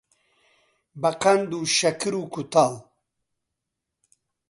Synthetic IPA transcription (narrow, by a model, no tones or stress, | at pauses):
bɐqand̪uʃɐkiɾukut̪al